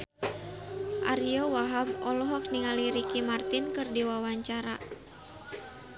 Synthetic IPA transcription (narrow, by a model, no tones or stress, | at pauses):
ʔa̰ɾiɔwaɦab̚ɔlɔɦɔk̚niŋaliɾikimart̪inkɨrdiwawaɲt͡ʃaɾa